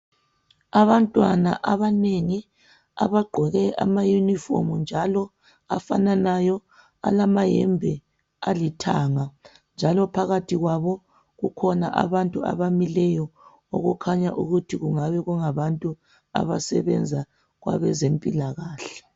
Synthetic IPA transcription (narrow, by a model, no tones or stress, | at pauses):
aβantʼwana̰ʔaβaneŋi | a̰βaɡ͡ǃʱɔɣɛʔa̰majunifo̰mund͡ʒʱalɔ | afananajɔ | a̰lamajɛ̰mbʱɛ | alitʰaːŋa | nd͡ʒʱalɔpʰaɣatʰiɣwaβɔ | ɣukʰɔnaʔa̰βantʼua̰βamilɛjɔ | o̰ɣukʰaɲaʔuɣutʰiɣuŋaβɛɣuŋaβantʼu | a̰βasɛβɛnd͡zʱa | ɣwa̰βɛzempʼilaɣaːɬɛ̥